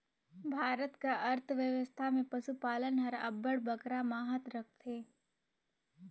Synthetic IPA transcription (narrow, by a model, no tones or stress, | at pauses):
bʱaːɾət̪kaʔɐɾt̪ʰʋjəʋəst̪ʰamẽpɐʃupaːlənɦɐɾɐ̰bəɽbəkɾamaːɦət̪ɾɐk̚ʰt̪ʰeː